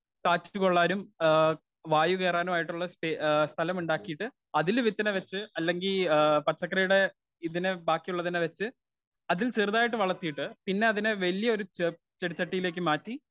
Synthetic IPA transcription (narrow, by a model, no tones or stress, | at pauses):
kaːt͡ɕːukoɭːaːnum | ʋaːjuke̞ːraːnumaːjiʈːuɭːɐspest̪ʰɐlɐmuɳɖaːkːijiʈːɨ | ɐðilʋit̪ːɐnɐʋɐt͡ɕːɨɐlːe̞ŋɡilpɐt͡ɕːɐkːɐrɐjuɽe̞ | iðinɨbaːkːijuɭːɐðinːeʋɐt͡ɕːɨ | ɐðilt͡ɕerðaːjiʈːɨʋɐɭɐt̪ːijiʈːɨpinːe̞ɐðinɨʋɐlijɐo̞ɾu | t͡ɕeɽit͡ɕːɐʈːijile̞ːk̬ːɨmaːtːi